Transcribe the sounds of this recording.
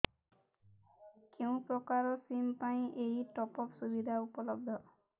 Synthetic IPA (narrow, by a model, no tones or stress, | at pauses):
keũpɹɔkaɹɔsimpaĩʔejʈɔpɔpsubid̪ʱaupɔlɔb̚d̪ʱɔ